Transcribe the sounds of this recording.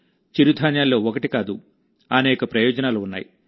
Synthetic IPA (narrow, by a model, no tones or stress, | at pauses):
t͡ʃiɾud̪ʱaːɲjaːlːo̞ːɔkɐʈikaːd̪u | ɐnɛːkɐpɾɐjɔːd͡ʒɐnaːluːnːa̰ːjḭ